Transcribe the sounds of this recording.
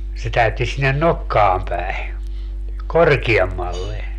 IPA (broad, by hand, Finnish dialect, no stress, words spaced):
se tæytːi sinːen nokːɑːm pæi̯ korkiemːɑlːe